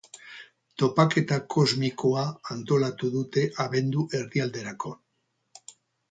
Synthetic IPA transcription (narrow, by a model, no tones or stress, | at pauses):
t̪o̞pake̞t̪akʰo̞zmiko̞aːnt̪o̞lat̪uðut̪e̞ʔaβe̞nd̪uʔe̞ɾðiald̪e̞ɾako̞